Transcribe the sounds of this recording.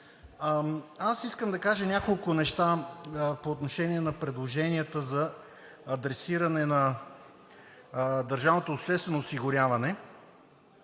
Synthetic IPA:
asiskəmd̪ɐkaʒənʲakolˠkʊnɛʃt̪apoːt̪noʃɛniɛnɐpɾɛd̪lˠoʒɛniət̪əzɐ | ɐd̪ɾɛsiɾɐnɛnɐ | d̪ɐɾʒavnot̪oːʃt̪ɛst̪vɛnoːsiɡʊɾʲjavɐnɛ

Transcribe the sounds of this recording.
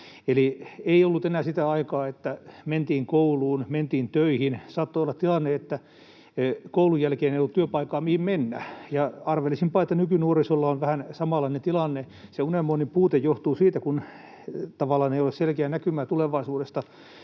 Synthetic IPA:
elieiolːut̪enæːsit̪æɑikɑːet̪ːæment̪iːŋkouluːnment̪iːnt̪øihinsɑːt̪ːoolːɑt̪ilɑnːeet̪ːæ | koulujjælkeːneiolːut̪tyøpɑikɑːmihimmenːæ̰jɑɑrʋelːisimpɑːet̪ːænykynuorisolːɑonʋæhænsɑmɑlɑinent̪ilɑnːe | seunemːoːnimpuːt̪ejjoht̪uːsiːt̪ækun | t̪ɑʋɑlːˑɑːneiolesselkeænækymæːt̪uleʋɑisuːɾest̪ɑ

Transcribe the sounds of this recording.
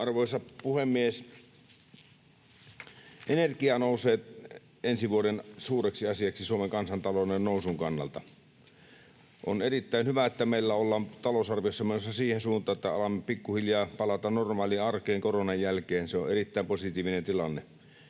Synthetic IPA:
ɑrʋoˑisɑpuhemːies | ʔenerkiɑnoˑuseːt̪ | ensiʋuodensuːreksiɑsiɑksisuomeŋkɑnsɑnt̪ɑlonennoˑusuŋkɑnːɑ̰lt̪ɑ | ʔo̰nerit̪ːæˑinhyʋæet̪ːæmeˑilːæolːɑːnt̪ɑlosɑrʋijosːɑmenosːɑsiːhensuːnt̪ˑɑːet̪ːæɑ̰lɑmːepikːuhiljɑːpɑlɑt̪ɑnormɑːliɑrkˑeːŋkoronɑjjælkeːnseo̰ʔerit̪ːæˑimposit̪iːʋinent̪ilɑnːe

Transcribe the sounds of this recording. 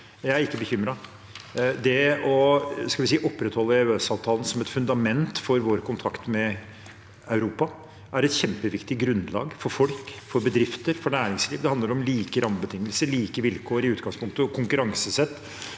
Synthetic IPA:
jæɪæɾɪkːəbəçʏmɾɑ | d̪ɛɔskɑlʋɪsiːʔɔpːɾɛt̪hɔlːəɛøːsɑːʋt̪ʰɑːlən̩sɔmɛt̪fʉnd̪ɑmɛnt̪fɔɾʋoːɾkʊnt̪ʰɑkt̪mɛ | ɑʉɾuːpɑ | ʔæɾɛt̪çɛmpəʋɪkt̪ɪɡɾʉnd̪lɑ̰ːɡfɔɾfɔlkfɔɾbəd̪ɾɪft̪əɾfɔɳæːɾɪŋsliːʋd̪ɛhɑnd̪əɾɔmliːkəɾʔɑməbət̪ʰɪŋːəlsəɾliːkəʋɪlkʰoːəɾɪʉːt̪̚ɡɑŋspʰʊŋkt̪əkʰʊŋkʉɾɑŋsəsɛt̪ː

